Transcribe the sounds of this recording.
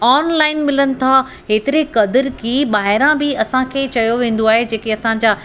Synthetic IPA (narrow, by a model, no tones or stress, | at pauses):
aːnlaːɪnmɪlənɪ̆t̪ʰa | ɦeːt̪ɪɾekɐd̪əɾkiːɓaːɦɪɾãbɪɐsãkʰeːt͡ɕɐjoʋẽːn̆d̪oaːɦed͡ʑeːkeɐsãɲ̆d͡ʑaː